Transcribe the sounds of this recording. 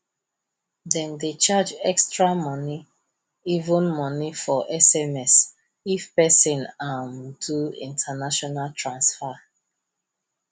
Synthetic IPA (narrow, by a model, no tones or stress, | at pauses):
dɛ̃ndet͡ʃad͡ʒɛkstɹamɔni | ivũnmɔnifɔʔɛsɛmɛs | ifpɛsĩnamduḭ̃ntʰanaʃɔnaltʰɹãnsfa